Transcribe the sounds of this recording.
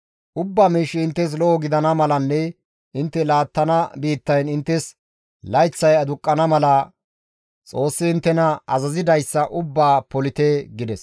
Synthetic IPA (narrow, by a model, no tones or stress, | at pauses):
ʔʊbːaːmiːʃɪɪnt̪ːɛs̬lɔʔɔɡɪd̪ɐnɐmɐlɐnːɛ | ɪnt̪ːɛlaːt̪ːɐnɐbiːt̪ːɐjnɪnt̪ːɛs | lɐjt͡sːɐjɐd̪ʊkʼːɐnɐmɐlɐ | t͡sʼo̞ːsːɪɪnt̪ːɛnɐɐzɐzɪd̪ɐjsːɐʔʊbːaːpɔlɪt̪eɡɪd̪ɛs